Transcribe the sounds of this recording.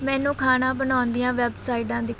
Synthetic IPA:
mɛ̃ːnũːkʰaːnãːbənaːnd̪ɪjãːʋɛːbsaːɪɖãːd̪iːk

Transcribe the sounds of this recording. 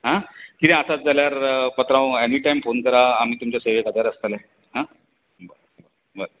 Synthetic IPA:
ɦãkit̪ɛ̃əsat̪̚d͡zaljaɾpət̪ɾãw̃ɛnʋiːʈajmfonkəɾaːm̤iːt̪umt͡ɕjaseʋekəd̪ʱaɾəst̪alɛ | ɦã | bə | bə | bəɾ

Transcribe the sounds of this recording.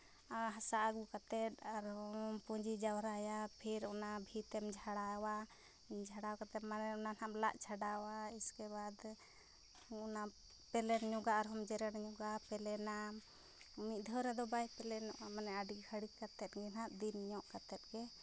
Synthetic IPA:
aɦasaʔaɡukat̪ɛt̪̚aɾhɔmpud͡ʒid͡ʒawɾajapʰiɾɔnabʱit̪ɛmd͡ʒʱaɽawa | d͡ʒʱaɽawkat̪ɛt̪̚manɛunanaplaʔt͡ʃʰaɖawaiskɛbad̪ | una | pɛlɛnɲɔɡaːɾɦɔmd͡ʒɛɾɛnɲɔɡapɛlɛna | mit̪̚ˀd̪ʱɛwɾɛd̪ɔbajpɛlɛnɔʔamanɛaɖikʰaɽikat̪ɛt̪̚ɡɛnaʔd̪inɲɔʔkat̪ɛt̪̚ɡɛ

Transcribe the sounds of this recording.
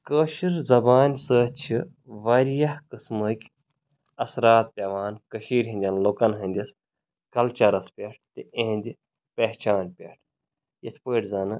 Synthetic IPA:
kəːʃiɾzɐbaːnʲsəːt͡ʃʰi | ʋɐɾjɐhkɨsməkʲ | ɐsɾaːt̪̚pʲɐʋaːnkɐʃiːɾʲɦĩnd̪ʲɐnloːkɐnɦɐ̃nʲd̪ʲɐs | kɐlt͡ʃɐɾɐspʲeʈ̚ʰt̪ɨẽːnʲd̪ʲi | peht͡ʃaːnpʲeʈʰ | jet̪ʰpəːʈʲzɐːnɨ

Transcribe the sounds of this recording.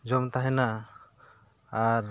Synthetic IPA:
d͡ʒɔmt̪aɦɛna | aɾ

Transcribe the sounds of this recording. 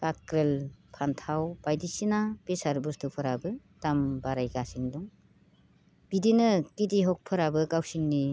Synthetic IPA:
kakɾelpʰantʰawb̥ajdisinapesaɾbustɯpʰɯɾabɯ | tambaɾajɡasindɔŋ | b̥idinɯkidiɦɔk̚pʰɯɾabɯkawsinːi

